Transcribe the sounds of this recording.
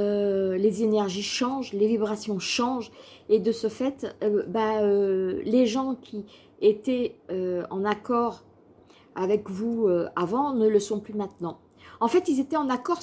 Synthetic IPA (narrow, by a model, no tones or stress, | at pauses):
ølezenɛʁʒiʃɑ̃ʒlevibʁasjɔ̃ʃɑ̃ʒ | ed̪əsəfɛt̪øbaøleʒɑ̃kʲʰi | et̪ɛøɑ̰̃nakɔʁ | avɛkvuøavɑ̃nələsɔ̃plymɛ̃t̪nɑ̃ | ɑ̃fɛt̪ilzet̪ɛɑ̃nakɔʁ